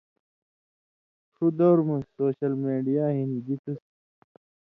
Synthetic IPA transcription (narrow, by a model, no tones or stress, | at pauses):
t̪ʰud̪owɾmusoːɕɐlmeːɖijaːɦinid͡ʑit̪ʰus